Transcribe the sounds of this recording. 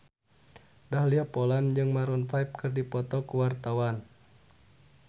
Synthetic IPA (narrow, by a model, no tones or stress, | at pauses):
dahliapɔland͡ʒɨŋmaɾɔnfaip̚kɨrdipɔt̪ɔkuwart̪awan